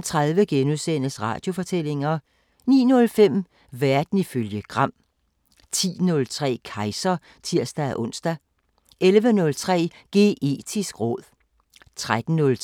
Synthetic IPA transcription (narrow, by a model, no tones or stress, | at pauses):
t͡sʰʁaðˠʋəɡ̥enuðˠsen̰əsʁɑ̰̈ːd̥jo̝fɒ̽t͡sʰel̰e̝ŋɐ | nḭːnɔ̽lfem̰ | ʋæɐd̥n̩iføljəɡ̥ʁɑ̈m̰ | t͡sʰḭːnɔ̽lt͡sʰʁɛ̰ːkʰɑ̈ɪsɐ | t͡sʰiɐ̰sd̥ææʔɔ̽n̰sd̥æ | elʋənɔ̽lt͡sʰʁɛ̰ːɡ̥e̝̰ːʔe̝̰ːd̥ʰisɡ̥ʁɔ̽ð̰ˠ | t͡sʰʁad̥n̩nɔ̽l